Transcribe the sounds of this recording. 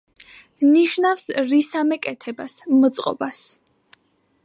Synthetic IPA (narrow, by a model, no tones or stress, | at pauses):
niʃnafsɾisamɛkʼɛt̪ʰɛbasmɔt̪sʼqʼɔ̰bas